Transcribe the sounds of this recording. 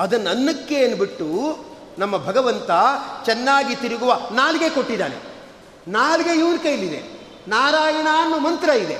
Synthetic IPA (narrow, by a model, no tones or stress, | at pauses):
ɐd̪ɐnːɐnːɐkːeɐnbiʈːu | nɐmːɐbʱɐɡɐʋɐnt̪ɐt͡ʃɛnːaːɡit̪iɾiɡuʋɐnaːlɡe̞ko̞ʈːid̪a̰ːɾḛ | naːlɡeiʋɽkɐjlid̪ḛ | naːɾaːjɐɳaːnːumɐnt̪ɾɐid̪e